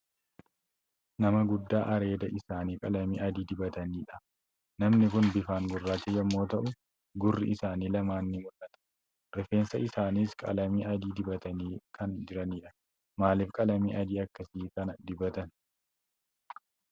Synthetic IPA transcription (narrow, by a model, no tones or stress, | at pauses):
nɐmɐɡʊd̪ːaːʔɐɾe̞ːd̪ɐʔɪsaːniːkʼɐlɐmiːʔɐd̪iːd̪ɪbɐt̪ɐniːᶑɐ̥ | nɐmnɪkʊnbɪfaːŋɡʊrːaːt͡ʃɛjɐmːo̞ːt̪ɐʔʊ | ɡʊrːɪ̰ʔɪsaːniːlɐmaːnːɪmʊlʔɐt̪ɐ̥ | ɾɛfe̞ːnsɐʔɪsaːniːskʼɐlɐmiːɐd̪iːd̪ɪbɐt̪ɐniːkɐnd͡ʒɪɾɐniːᶑɐ | maːlɪfkʼɐlɐmiːʔɐd̪iːɐkːɐsiːkɐnɐd̪ɪbɐt̪ɐn